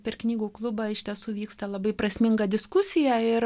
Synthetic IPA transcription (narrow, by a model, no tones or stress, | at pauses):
pʲɛrknʲiːɡuːklˠʊbɐɪʃʲt̪ʲiɛsuːʋʲiːkst̪ɐlˠɐbɐɪpɾɐsʲmʲɪŋɡɐd̪ʲɪskʊsʲɪjæɪɾ